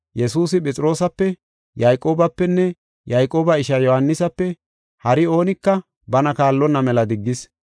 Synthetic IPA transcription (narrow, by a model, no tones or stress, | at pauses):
jɛsuːsɪpʼɛt͡sʼɪɾo̞ːsɐpːɛ | jajkʼo̞ːbɐpːɛnːɛ | jajkʼo̞ːbɐɪʃɐjɔhɐnːɪsɐpːɛ | hɐɾɪo̞ːnɪkːɐ | bɐnɐkaːlːɔnːɐmɛlɐd̪ɪɡːɪs